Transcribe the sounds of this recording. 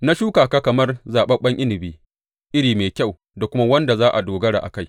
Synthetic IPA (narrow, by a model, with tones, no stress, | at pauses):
na˦ʃuː˦kaː˨kaː˦kɐ˨mɐ˦rzaː˨ɓɐ˦ɓɐ˦ŋʔɪ˦nɪ˨biː˦ | ʔɪ˦ɽiː˨meː˨kʲa˦˨w | da˨kʷʊ˦ma˦wɐ˦nda˨zaː˦ʔa˨doː˨ɡɐ˦ɽa̰˨ʔa̰˨ka˦˨j